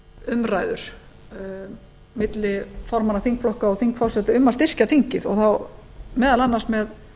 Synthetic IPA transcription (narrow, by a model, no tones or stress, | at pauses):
ʏmraːjðʏɾ̥ | mɪt̪lɪfɔɾmanaθiŋkflɔhkaɔθiŋkfawsɛt̪ʏʏmːast̪ɪr̥caθiŋcɪðɔɣθaw | mɛːðalanːasmɛð